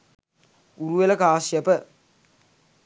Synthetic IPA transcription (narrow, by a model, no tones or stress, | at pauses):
uɾuʋelɐkaːsjɐpə